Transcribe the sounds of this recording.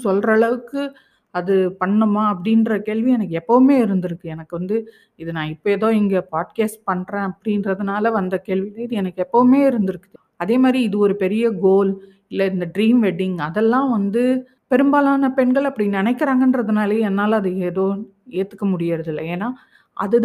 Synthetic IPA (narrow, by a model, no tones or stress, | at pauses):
sɔlrɐːɭɐʋɯkːɯ | ɐðɯpɐɳːɯmaːɐpːɐɽɪnɾɐkeːɭʋiɛnɐkːɯɛpːɐʋɯmeːɪɾɯnd̪ɪɾɯkːɯɛnɐkːɯʋɐnd̪ɯ | ɪðɯnãːɪpːoɛːðoːɛŋɡɐpaːʈ̚keːsʈ̚pɐɳːɾẽːɐpːɐɽɪnrɐðɯnaːlɐʋɐnd̪ɐkeːɭʋilɐɪðɯɛnɐkːɯɛpːɐʋɯmeːɪɾɯnd̪ɯɾɯkːɯð | ɐðeːmaːd̪ɾiɪðɯɔɾɯpɛɾɪjɐɡoːl | ɪlːɐɪnd̪ɐɖɾiːmʋɛɖɪŋɐðɛlːãːʋɐnd̪ɯ | pɛɾɯmbaːlaːnɐpɛɳɡɐɭɐpːɐɽinɪnɛɪkːɪɾaːŋɡɐndɾɐðɯnaːleːɛnːaːlɐɐðɯɛðoː | eːt̪ːɯ̥kːɐmʊɽɪjaːɾɐðɪlːɐeːnaː | ʔɐ̰ðɯ